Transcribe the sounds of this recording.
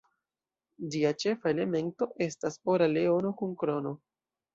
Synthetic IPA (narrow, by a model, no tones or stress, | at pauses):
d͡ʒiat͡ʃe̞fae̞le̞me̞nto̞ʔe̞stasoɾale̞o̞no̞kuŋkɾono̞